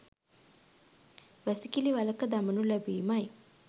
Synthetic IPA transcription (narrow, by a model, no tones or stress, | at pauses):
ʋæsikiliʋalɐkəd̪amənulæbiːmaj